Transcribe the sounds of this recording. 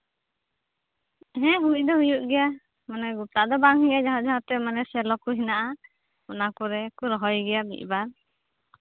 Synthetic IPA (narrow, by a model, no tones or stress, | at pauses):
ɦɛ̃ɦuid̪ɔɦujuʔɡɛja | manɛɡup̚t̪aʔd̪ɔbaŋhujad͡ʒaɦɔʔd͡ʒaɦɔt̪ɛmanɛsɛlɔkuɦinaʔa | ɔnakɔɾɛkuɾɔɦɔjɡɛjabḭʔbaɾ